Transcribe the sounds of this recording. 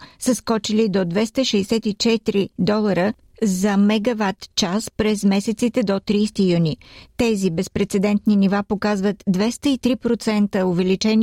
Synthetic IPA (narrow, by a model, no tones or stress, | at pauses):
səskɔt͡ʃilid̪od̪vɛst̪əʃɛɛsɛt̪it͡ʃɛt̪ɾid̪ɔlˠəɾə | zɐmɛɡɐvat̪t͡ʃaspɾɛzmɛsɛt̪sit̪ɛd̪ot̪ɾiːst̪ijunʲit̪ɛzibɛspɾɛt̪sɛd̪ɛnt̪ninivapokazvət̪d̪vɛst̪əit̪ɾipɾot̪sɛnt̪əovɛlit͡ʃɛni